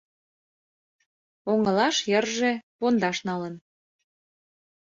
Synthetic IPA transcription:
oŋəlɑʃjərʒepond̪ɑʃnɑlən

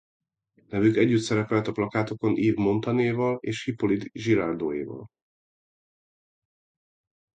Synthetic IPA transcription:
nɛvykɛɟːyt̪sɛɾɛpɛlt̪ɒplɒkaːt̪oko̞nʔiːvmo̞nt̪ɒneːvɒleːʃhipo̞lid̪ʒiɾaːrd̪oːjḛːvɒ̰l

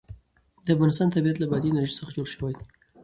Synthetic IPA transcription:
d̪əafɣɑnɪst̪ɑnt̪abiat̪labad̪inaɾʒesəxad͡ʒoɽʃəwaj

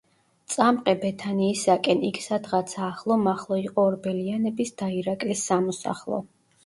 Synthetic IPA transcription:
t̪sʼamqʼɛbɛt̪ʰaniːsakʼɛnikʰsad̪ʁat̪sʰaːχlˠɔmaχlˠɔiqʼɔːɾbɛlianɛbisd̪̥aiɾakʼlisːamɔsa̰χlˠɔ̰

